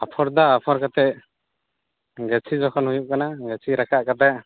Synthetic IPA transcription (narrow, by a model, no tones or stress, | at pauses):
apʰɔɾd̪aːpʰɔɾkat̪ɛʔ̚ | ɡɛt͡ʃʰid͡ʒɔkʰɔnhujuʔkanaɡɛt͡ʃʰiɾakaʔkat̪̬ɛʔ̚